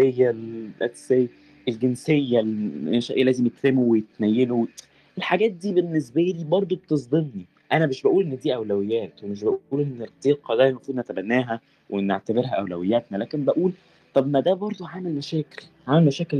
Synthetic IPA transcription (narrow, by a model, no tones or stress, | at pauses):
ejːælʔæ̰t̪sej | ʔelɡensejːæleʃæʔejælæːzemjet̪femowejet̪næjːelo | elħaɡæːt̪̚d̪iːbenːes̬bæliːbɑɾˤd̪ˤobet̪ezˤd̪ˤemni | ʔænæbeʃbæʔuːlʔenːd̪iːʔæwlæwejːæːt̪wemeʃ̬bæʔuːlʔenːeɾt̪ˤiːqʰɑd̪æmæfuːnæt̪æbænːæːɦæ | wenːeʕt̪æbeɾɦæʔæwlæwejːæt̪nælæːkembæʔuːl | t̪ˤɑbmæd̪æbɑɾˤd̪ˤoʕaːmælmæʃæːkelʕaːmælmæʃæːkel